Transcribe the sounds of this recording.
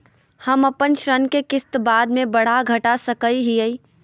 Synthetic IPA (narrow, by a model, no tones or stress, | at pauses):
həmɐpənʃɾənkekɪst̪baːd̪mẽbɐɽ̤aɡʱɐʈasəkəiɦiəi